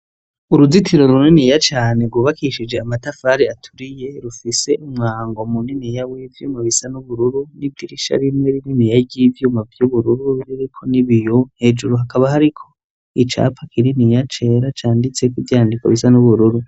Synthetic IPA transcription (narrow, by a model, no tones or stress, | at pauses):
uɾuzitʰiɾo̞ɾuninijat͡ʃaːne̞ɾɡwuβakʰiʃid͡ʒe̞amatafaɾiatʰuɾije̞ɾufise̞ʔumŋaːŋɡomuninijawivjuːmaβisanuβuɾuɾunivdiɾiʃa̰ɾimŋeɾininijaɟivjuːmavjuβuɾuɾuɾiɾikʰo̞niβijonhe̞ːd͡ʒuɾuɦakaβahaɾikʰo̞ | it͡ʃa̰pʰakʰiɾinijat͡ʃe̞ɾat͡ʃaːndit͡se̞kuvjaːndikwa̰βisanuβuɾuɾu